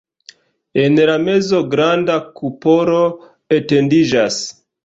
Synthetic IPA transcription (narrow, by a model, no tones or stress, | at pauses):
e̞nlame̞zo̞ɡɾandakupo̞ɾo | ete̞ndid͡ʒas